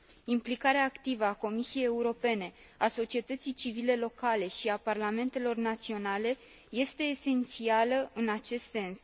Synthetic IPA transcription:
implikaɾeaːkt̪ivəako̞misije̞je̞uɾo̞pe̞ne̞ | aso̞t͡ʃie̞t̪ət̪sijt͡ʃivile̞lo̞kale̞ʃiaparlame̞nt̪e̞lo̞rnat̪sio̞nale̞ | je̞st̪e̞ːse̞nt̪sialəɨnat͡ʃe̞st̪se̞ns

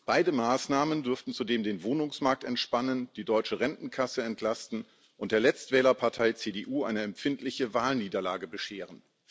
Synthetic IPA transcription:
b̥aɪdəmaːsnaːməndʏɐftn̩t͡sudeːmdeːnvoːnʊŋsmaɐk̚tɛntʃpanənd̥iːdɔʏt͡ʃəʁɛntn̩kʰasəɛntʰlastn̩ | ʔʊntd̥eːɐlɛt͡stv̥ɛːlɐpʰaɐtʰaɪt͡seːdeːʔuːʔa̰ɪnəɛmpfɪntʰlɪçəvaːlniːdɐlaːɡəbəʃeːʁən

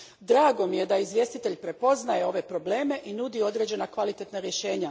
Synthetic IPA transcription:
d̪ɾaːɡo̞mije̞d̪aizʋje̞st̪it̪e̞ʎpɾe̞po̞znaje̞o̞ʋe̞pɾo̞ble̞ːme̞ʔinud̪io̞d̪ɾe̞ːd͡ʑe̞nakʋalit̪et̪naɾjeʃe̞ːɲa

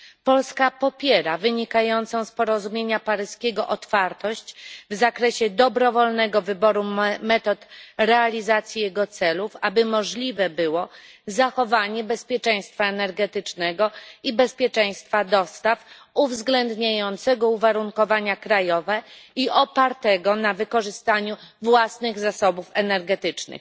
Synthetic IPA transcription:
pɔlskapɔpʲjɛɾavɘɲikajɔnt̪sɔ̃w̃spɔɾɔzumʲjeɲapaɾɘskʲɛɡɔʔɔt̪faɾt̪ɔɕt͡ɕvzakɾɛɕɛd̪ɔbɾɔvɔlnɛɡɔvɘbɔɾumɛt̪ɔt̪ɾɛalʲizat̪sʲjijɛɡɔt̪sɛlufabɘmɔʐlʲivɛbɘwɔzaxɔvaɲɛbɛspʲjɛt͡ʂɛj̃st̪faɛnɛɾɡɛt̪ɘt͡ʂnɛɡɔibɛspʲjɛt͡ʂɛ̃j̃st̪fad̪ɔst̪af | uvzɡlɛnd̪ɲajɔnt̪sɛɡɔuvaɾuŋkɔvaɲakɾajɔvɛiʔɔpaɾt̪ɛɡɔnavɘkɔʐɘst̪aɲuvwasnɘɣzasɔbufɛnɛɾɡɛt̪ɘt͡ʂnɘ̰x

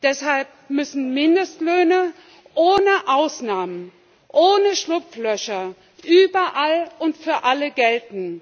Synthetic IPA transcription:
d̥ɛshalp̚mʏsn̩mɪndəstløːnə | ʔoːnəʔaʊsnaːmən | ʔoːnəʃlʊpp͡flœʃɐ | ʔyːbɐʔalʊntfyːɐʔaləɡɛltn̩

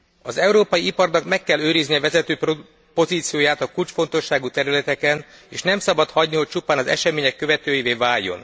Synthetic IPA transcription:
ɒzɛuɾoːpɒjiipɒrnɒkmɛkːɛlːøːɾizniɒvɛzɛt̪øːp | po̞ziːt̪sijoːjaːt̪ɒkult͡ʃfo̞n̪t̪o̞ʃːaːɡut̪ɛɾylɛt̪ɛkɛneːʃnɛmsɒbɒt̪hɒɟniɦo̞c̚t͡ʃupaːnɒzɛ̰ʃɛmeːɲɛkːø̞vɛt̪øːjiveːvaːjːo̞̰n

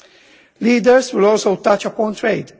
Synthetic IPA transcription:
liːdəɹswɪlɔːlsoʊt̪ʌt͡ʃɐpɔ̃nt̪ʰɹeɪd

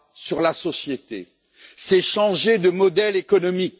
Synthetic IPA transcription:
syʁlasɔsjet̪ḛ | sɛʃɑ̃ʒed̪əmɔd̪ɛlekɔnɔmik

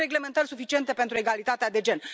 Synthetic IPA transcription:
ɾe̞ɡle̞me̞nt̪ərʲsufit͡ʃie̞nt̪e̞pe̞nt̪ɾue̞ɡalit̪at̪ead̪e̞d͡ʒe̞n

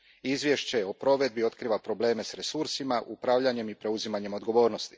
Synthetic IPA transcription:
izʋje̞ʃt͡ɕe̞o̞pɾo̞ʋe̞d̪̚bio̞t̪kɾiːʋapɾo̞ble̞ːme̞sɾe̞suɾsimaʔupɾavʎaɲe̞mipɾe̞uzimaɲe̞mo̞d̪ɡo̞ʋo̞ːɾno̞st̪i̥

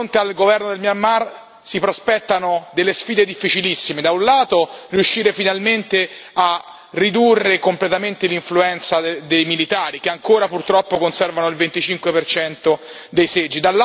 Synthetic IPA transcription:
ont̪ealɡovɛrnod̪elmjamːar | sipɾospɛt̪ːanod̪elːesfiːd̪ed̪ifːit͡ʃilisːimed̪aunlaːt̪oriuʃːiːɾefinalment̪ea | rid̪urːekomplet̪ament̪eliɱfluɛnt̪sad̪ejmilit̪aːɾikeaŋkoːɾapurt̪ɾɔpːokonsɛrvanoilvent̪it͡ʃiŋkwepert͡ʃɛnt̪o | d̪ejsed͡ʒːid̪al

